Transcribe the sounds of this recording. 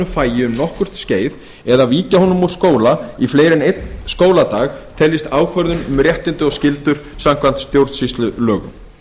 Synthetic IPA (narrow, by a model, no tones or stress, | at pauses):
ʏmfaːjɪʏmnɔhkʏɾ̥t̪sceːjð | ɛðaviːcahɔnʏmuɾ̥skoːwlaifleːjɾɪnejt̪nskoːwlat̪aːɣt̪ʰɛlːɪst̪aːwkʰvœɾðʏnʏmɾjɛht̪ɪnt̪ʏɔɣscɪlt̪ʏɾ̥samkʰvan̥t̪st̪jowɾðsist̪lʏlœːɣʏ̰